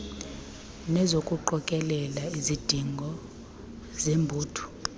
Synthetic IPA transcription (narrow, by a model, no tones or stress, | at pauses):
nɛzokʼuǃɔkʼɛlɛlaizid̥ʱiŋɡʱɔ | zembʱuːtʰu̥